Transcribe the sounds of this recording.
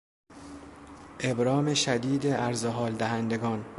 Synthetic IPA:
ʔe̞bɾɒːme̞ʃæd̪iːd̪eæɾzoɦɒːld̪æɦænd̪eɡɒːn

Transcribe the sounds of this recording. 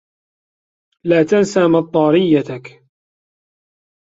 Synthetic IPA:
laːt̪ansaːmɑt̪ˤːɑːɾɪjːat̪ak

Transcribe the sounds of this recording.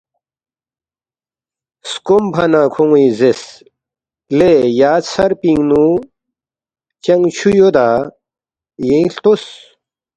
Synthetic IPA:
skombʰʱɐnãːkʰoŋizes | lejaːsɐɾpĩŋɡnu | t͡ɕɐŋɡt͡ɕʰujod̪a | jẽĩɬt̪os

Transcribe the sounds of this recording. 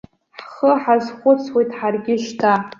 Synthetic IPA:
ħχəħazχʷʊt͡sʰwejtʰʼħarɡʲɪʃʷtʰa

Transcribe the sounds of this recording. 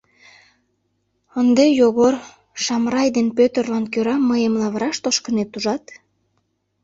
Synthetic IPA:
ənd̪ejoɣor | ʃɑmrɑjd̪enpøt̪ərlɑnkøɾɑməjəmlɑβəɾɑʃt̪oʃkənet̪uʒɑt̪

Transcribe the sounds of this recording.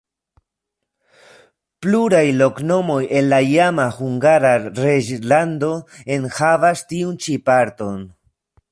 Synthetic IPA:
pluɾajlo̞kno̞mo̞je̞nlaijamahuŋɡaɾaɾed͡ʒlando̞e̞nhavastiunt͡ʃipaɾto̞n

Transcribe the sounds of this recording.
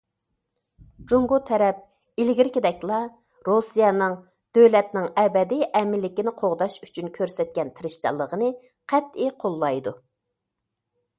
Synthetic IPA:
d͡ʒoŋɡot̪ʰɛɾɛp̚ | ilɡʲiɾkʲid̪ɛkʲlˠɑ | ɾosijɛnɨŋ | d̪̥øwlɛt̪nɪŋɛbɛd̪iʔɛmɪlːɪkʲinɪqʰoʁd̪ɑʃy̥t͡ʃʰynkʲʰøɾsɛt̪̚kʲɛnt̪ʰɪɾɪʃt͡ʃʰɑ̰lˠːəʁənɨ | qʰæt̪ɪqʰolˠːɑjd̪u

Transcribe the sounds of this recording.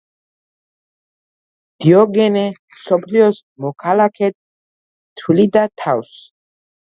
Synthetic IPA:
d̪̥iɔɡɛnɛ | sɔpʰliɔsmɔkʰalakʰɛt̪̚ | t̪ʰulid̪at̪ʰaws

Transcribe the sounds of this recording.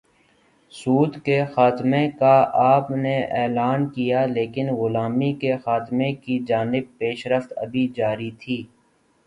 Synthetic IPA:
suːd̪kexaːt̪mẽkaaːpneʔɛːlaːnkijaleːkɪnɣʊlaːmikexaːt̪mẽkid͡ʒaːnɪb̚peːʃɾəft̪ɐ̰bʱid͡ʒaːɾit̪ʰiː

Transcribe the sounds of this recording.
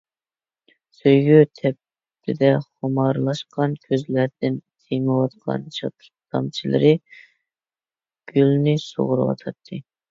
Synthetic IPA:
søjɡʲyt̪ʰɛp̚ | t̪ʰɪd̪ɛχomɑɾlˠɑʃqɑnkʲʰøzlæɾd̪̥ɪnt̪ʰejmɨwɑt̪qʰɑ̰nʃʰɑt̪ʰ | t̪ɑ̰mt͡ʃʰilˠɨ̰ɾɨ | ɡ̥ʲylnɪso̰ʁʊɾɨwɑ̰t̪ʰɑt̪ʰːɨ

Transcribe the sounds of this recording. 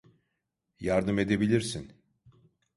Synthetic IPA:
jaɾd̪ɯme̞d̪ebilʲiɾsin

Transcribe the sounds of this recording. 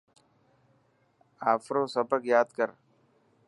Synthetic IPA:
aːfɾõːsəbəkjaːd̪kəɾ

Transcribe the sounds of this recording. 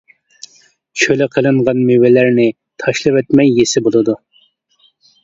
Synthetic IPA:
t͡ʃʰølɪqʰəlˠɨɴʁɑnmywɪlæɾnɪ | t̪ʰɑʃlˠɨwɛt̪mɛjːesɪbolˠɨd̪u

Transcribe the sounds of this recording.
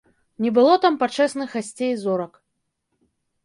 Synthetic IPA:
nʲɛbɨlˠɔt̪ampat͡ʂɛsnɨxasʲt͡sʲejzɔɾɐk

